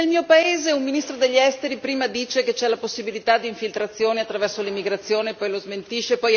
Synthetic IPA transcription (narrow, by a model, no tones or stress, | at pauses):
elmiːopaeːzeumminist̪ɾod̪eʎːɛst̪eɾipɾiːmad̪iːt͡ʃeket͡ʃɛlaposːibilit̪ad̪ːiːɱfilt̪ɾat̪sːjoːniat̪ːɾavɛrsolimːiɡɾat̪sːjoːnepːɔjlozment̪iʃepɔj